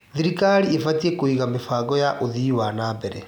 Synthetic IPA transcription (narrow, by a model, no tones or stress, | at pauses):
ðiɾikaɾiefatiekoiɣamefaɣɔjaʔoðiwanaːbɛɾɛ̰